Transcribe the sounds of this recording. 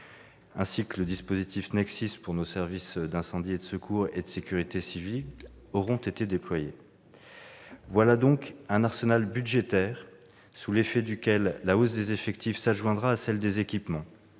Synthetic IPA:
ɛ̃sikələd̪ispozit̪ʰifnɛksispuʁnosɛʁvisd̪ɛ̃sɑ̃d̪ied̪əsəkʰuʁḛd̪əsekʲyʁit̪esivil | ɔʁɔ̃t̪et̪ed̪eplwaje | vwalad̪ɔ̃kɛ̃naʁsənalbyd̪ʒet̪ɛːʁ | sulefɛd̪ykʲɛlːaosd̪ezefɛkt̪ʰifsaʒwɛ̃d̪ʁaːsɛld̪ezekʲipmɑ̃

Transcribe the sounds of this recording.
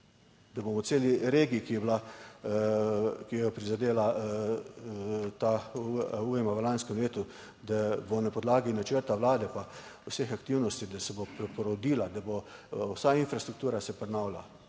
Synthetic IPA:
d̪abomɔseːliɾeːɡikijɛbla | kijɛjɔpɾizad̪eːla | t̪auuːjɛmaʋəlanskɛmleːt̪u | d̪abɔnapɔd̪laːɡinat͡ʃəɾt̪awlaːd̪ɛpawsexakt̪iwnɔst̪id̪asɛbopɾɛpɔɾɔd̪iːlad̪abowsainfɾast̪ɾuk̚t̪uːɾasɛpɾɛnawla̰

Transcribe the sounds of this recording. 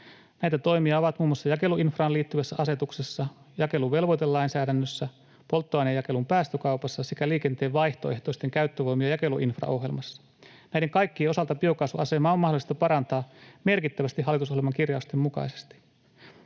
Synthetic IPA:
næjt̪æt̪o̞jmiɑoʋɑt̪muːmːɑsːɑjɑke̞luʔinfrɑːliːt̪ːyʋæsːæʔɑse̞t̪uksesːɑ | jɑke̞luʋʋe̞lʋojt̪elːɑinsæːdænːøsːæ | po̞lt̪ːoɑinejɑke̞lumpæːst̪økɑwpɑsːɑsekæliːkent̪e̞ːʋʋɑjht̪o̞e̞ht̪o̞ist̪eŋkæyt̪ːøʋo̞jmiɑjɑke̞luʔinfrɑ̰ʔo̞ɦjelmɑsːɑ̥ | næjdeŋkɑjkːieo̞sɑlt̪ɑpio̞kɑsuʔɑse̞mɑːomːɑhdolˑist̪ɑpɑɾɑnt̪ɑːme̞rkit̪ːæʋæst̪ihɑlːˑit̪uso̞hjelmɑŋkirjɑust̪emmukɑ̰ise̥st̪i̥

